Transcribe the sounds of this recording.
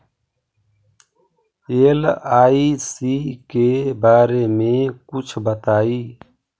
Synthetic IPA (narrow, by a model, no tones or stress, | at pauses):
eːlaːisikebaːɾemẽkʊt͡ʃʰbət̪aːi